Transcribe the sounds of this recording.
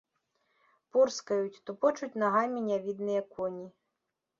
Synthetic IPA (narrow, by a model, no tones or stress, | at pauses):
purskɐjut͡sʲt̪ɔpɔt͡ʃutʲnɐɦajmʲinʲavʲid̪nɨjɐkʰɔnʲi